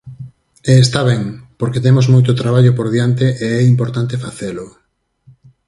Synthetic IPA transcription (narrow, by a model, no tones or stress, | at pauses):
eːst̪aβɛŋpoɾket̪emozmojt̪ot̪ɾaβaʎopoɾðjant̪eʔeɛimpoɾt̪ant̪efaθelʊ